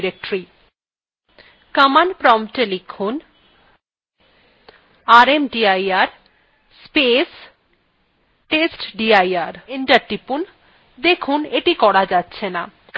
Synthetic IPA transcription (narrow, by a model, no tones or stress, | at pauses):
ɾek̚ʈɾi | kamanpɾɔmʈelikʰun | aɾemɖiajaɾ | spes | ʈesʈɖiajaɾiɳʈaɾʈipun | d̪ekʰuneʈikɔɾad͡ʑatːɕʰena | k